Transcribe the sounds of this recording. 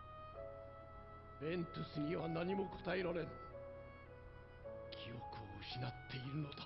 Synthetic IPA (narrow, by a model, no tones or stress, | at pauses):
bẽ̞nt̪ɨsɨɲ̟iβanaɲ̟imo̞kʰo̥t̪aeɾoɾẽ̞n | kʲʰijo̞kɯoɯɕinat̪ʰːe̞iɾɯ̟no̞d̪a